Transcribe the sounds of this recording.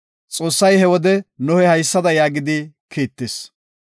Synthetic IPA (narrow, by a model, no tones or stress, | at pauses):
t͡sʼo̞ːsːɐjhɛwɔd̪ɛnʊhɛhɐjsːɐd̪ɐjaːɡɪd̪ɪkʰiːt̪ːes